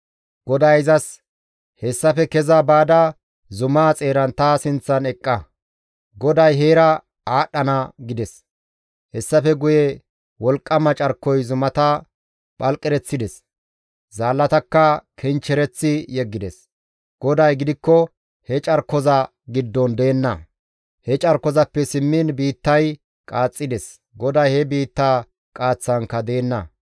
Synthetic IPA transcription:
ɡ̥ɔd̪ɐjɪzɐs | hɛsːɐfɛkɛzɐbaːd̪ɐ | zʊmaːt͡sʼe̞ːɾɐnt̪aːsɪnt͡sːɐnɛkʼːɐ | ɡɔd̪ɐjɦeːɾɐ | aːɗːɐnɐɡɪd̪ɛs | hɛsːɐfɛɡʊjɛ | wɔlkʼːɐmɐt͡ʃʼɐɾkːɔjzʊmɐt̪ɐ | ɓʼɐlkʼɛɾɛt͡sːɪd̪ɛs | zaːlːɐt̪ɐkːɐkʰɛnt͡ʃːɛɾɛt͡sːɪjɛɡːɪd̪ɛs | ɡ̥ɔd̪ɐjɡɪd̪ɪkːɔ | hɛt͡ʃʼɐɾkːɔzɐ | ɡɪd̪ːɔnd̪e̞ːnːɐ | hɛt͡ʃʼɐɾkːɔzɐpːɛsɪmːɪnbiːt̪ːɐj | kʼaːt͡sʼːɪd̪ɛs | ɡɔd̪ɐjhɛbiːt̪ːaː | kʼaːt͡sːɐŋkːɐd̪e̞ːnːɐ

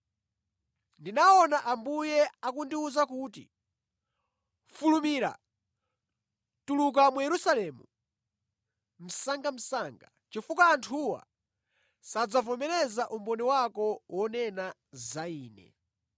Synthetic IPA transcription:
ndinaɔnaʔambujɛakundiuzakuːtḭ | fulumiɾa̰ | tuluk̬amujɛɾusalɛmu | m̩saŋɡam̩saːŋɡa | t͡ʃifukaːntʰuwa̰ | sad͡zavɔmɛɾɛzaʔumbɔniwakɔwɔnɛna | zaiːnɛ̰

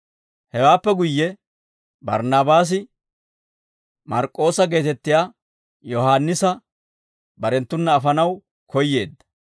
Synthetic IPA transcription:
hɛwaːpːɛɡʊjːɛ | bɐ̰ɾnaːbaːs̬ɪ | mɐɾkʼːo̞ːsɐɡe̞ːt̪ɛt̪ːɪjaː | jɔhaːnːɪsɐ | bɐɾɛnt̪ːʊnːɐːfɐnɐw | kʰɔjːe̞ːd̪ːɐ̥

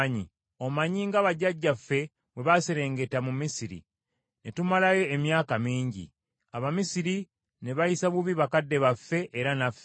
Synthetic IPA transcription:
ɲi | o̞maɲiːŋɡaβaɟaɟːafːe̞ | βwe̞βaseɾe̞ːŋɡe̞tamumisiɾḭ | netumalajo̞emjaːkamiːɲɟḭ | aβamisiɾi | ne̞βajisaβuβiβakadːe̞βafːe̞ʔeɾanafːe

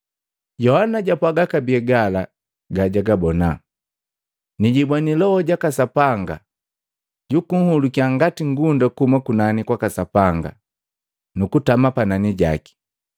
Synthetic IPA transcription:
jɔhanaɟapwaɡakabiɛɡala | ɡaɟaɡabɔna | niɟibwanilɔhɔɟakasapaŋɡa | ɟukuŋ̩hulukiaŋɡatiŋɡundakumakunanikwakasapaŋɡa̰ | nukutamapananiɟa̰ki̥

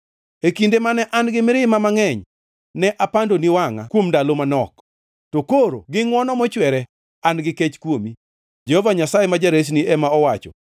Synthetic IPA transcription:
ekindemanɛʔanɡɪmɪɾɪmamaŋɛɲ | nɛʔapandoniwaŋa̰kwomdalomanɔk | tokoɾo̰ɡɪŋwɔnɔmɔt͡ʃwɛɾɛ | anɡɪket͡ʃkwomi | d͡ʒehovaɲasajemad͡ʒaɾes̬niɛmaɔwat͡ʃɔ̰

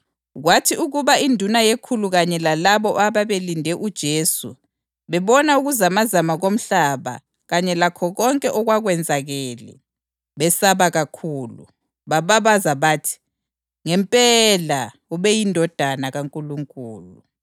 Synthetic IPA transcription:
ɣwatʰiuɣuβaindʱunajekʰuluɣaɲɛlalaβɔʔaβaβelindʱɛʔud̥ʒ̥ʱeːsṵ | βɛβɔnauɣuzamazamaɣom̩ɬaβa̰ | ɣaɲɛlakʰɔɣɔŋkʼɛʔɔɣwaɣwɛnd͡zʱaɣɛːlɛ̰ | βɛsaβaɣakʰuːlṵ | βaβaβazaβaːtʰi̥ | ŋɛmpʼɛla | uβɛjindʱɔd̥ʱanaɣaŋkʼuluŋkʼuːlu

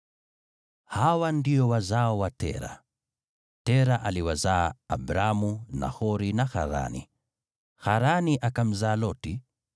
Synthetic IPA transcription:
hawandiɔwazaɔwatɛ̰ɾa̰ | tɛɾaʔaliwazaːbɾamuna̰hɔɾinaxa̰ɾa̰nḭ | xaɾaniʔakam̩zaːlɔti

